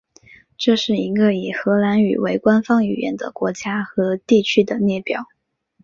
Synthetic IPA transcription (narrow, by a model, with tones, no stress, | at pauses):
ʈ͡ʂɤ˥˧ʂɻ̩˥˩i˧˥ɡə˧i˨˩xɤ˧˥la˧˥ny̰˨˩we˧˥ɪkwa˥nfɑ˥ŋy˨˩ɥjɛ̰˧˥nd̪ə̰˨kwɔ˧˥t͡ɕja˥xɤ˧˥t̪i˥˩t͡ɕʰy˥d̪ə˨njɛ˥˩pjɑ˨˩˦ʊ